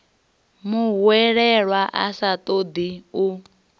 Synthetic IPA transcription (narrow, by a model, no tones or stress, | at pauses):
muɦwɛɺɛɺwaʔa̰sat̪ʼod̪iu